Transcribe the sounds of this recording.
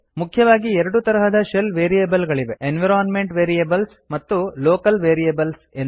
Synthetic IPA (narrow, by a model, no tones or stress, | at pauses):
mukʰjɐʋaːɡiɛɾɐɽut̪ɐɾɐɦɐd̪ɐʃelʋeːɾijeːbɐlɡɐɭiʋeʔenʋiɾaːnmeɳʈʋeːɾijebɐls | mɐt̪ːuloːkɐlʋeːɾijebɐlsen